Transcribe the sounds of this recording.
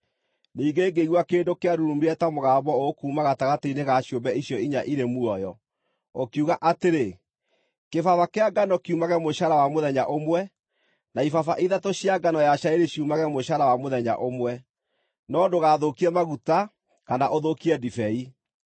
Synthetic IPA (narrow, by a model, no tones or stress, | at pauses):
niːɡeːɡeiɣwakeːndokeaɾuɾumiɛtamoɣaːβɔokuːmaɣataɣateineɣaɕjombɛiɕjɔiɲaʔiɾemuɔjɔ | okiuɣaʔateɾe | kefavakeaɡanɔkiumaɣɛmoɕaɾawamoðɛɲaʔomwɛ | naifafaʔiðatoɕiaɡanɔjaʃaeɾeɕiumaɣɛmoʃaɾawamoðɛɲa̰ʔomwɛ | nɔdoɣaːðokiɛmaɣuta | kanaʔoðokiɛdifɛi